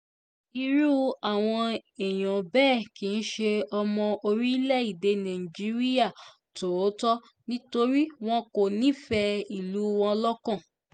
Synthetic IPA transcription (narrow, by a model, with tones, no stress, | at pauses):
i˧ɾu˦a˦˨w̃ɔ̃˧e˨j̃ɔ̃˨bɛː˦˨ki˨˦n̩˦ʃe˧ɔ˧mɔ̃˧o˧ɾi˦i˦lɛ˦˨i˨de˨˧nã˨ĩ˨d͡ʒi˨˦ɾi˦ja˦˨ | to˨˦tɔ˦ | nĩ˦to˧ɾi˦w̃ɔ̃˦ko˨nĩ˨˦fɛ˧i˨lu˨˦w̃ɔ̃˧lɔ˦kɔ̃˦˨